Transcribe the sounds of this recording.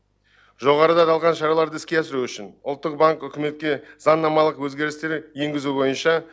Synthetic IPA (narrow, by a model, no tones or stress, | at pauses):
ʒo̞ʁɑɾəd̪ɑt̪ʰɑlˠʁɑnʃɑɾɑlˠɑɾd̪əɪskʲe̞æsɪɾuʏʃɪnʊ̰lˠt̪ːəq̚baŋkʏkʲɪme̞t̪̚kʲe̞zɑnːɑmɑlˠəqwɵzɡʲe̞ɾɪst̪e̞ɾje̞ŋɡʲɪzubo̞jənʃɑ